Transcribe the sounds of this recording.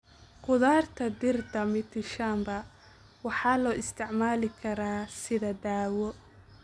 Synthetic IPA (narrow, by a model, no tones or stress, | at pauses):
qʊðaːrt̪ʰɐd̪ɪrd̪ɐmɪt̪ʰɪʃaːmbɐ | wɑħɑːlɔːʔɪst̪ʰɪʕmaːlɪkʰɐɾaːsɪðɐd̪aːwɔ